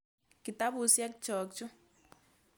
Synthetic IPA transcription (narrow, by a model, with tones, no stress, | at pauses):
ki˨ta˦βu˨sja˦kit͡ʃɔ˨k̚t͡ʃu˦